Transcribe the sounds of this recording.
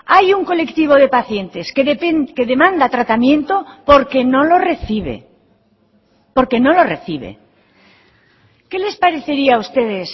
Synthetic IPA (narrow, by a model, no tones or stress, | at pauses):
ajuŋko̞le̞kt̪iβ̞o̞ð̞e̞paθje̞nt̪e̞skeðepenke̞ðe̞mãnd̪at̪ɾat̪amjẽ̞nt̪o̞poɾkeno̞lo̞re̞θiβḛ | po̞ɾke̞no̞lo̞reθiβḛ | ke̞le̞spaɾe̞θe̞ɾiaːust̪e̞ðe̞s